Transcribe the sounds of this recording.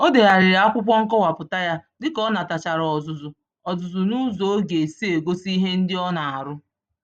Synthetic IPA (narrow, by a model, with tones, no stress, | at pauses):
o˦de˨ɣa˨ɾɪ˨ɾa˦kʷʊ˦p̬ʷɔ˦ŋ̩˦kɔ˦wa˨pʊ˨ta˦ja˦dɪ˦kɔ˦na˨ta˨t͡ʃa˨ɾɔ˨zʊ˨zʊ˨ | ɔ˨zʊ˨zʊ˨nu˦zo˨˦ɡe˨si˦e˨ɡo˦si˦ɦe˦n̩˦dɪ˦ɔ˦na˨a˨ɾʊ˦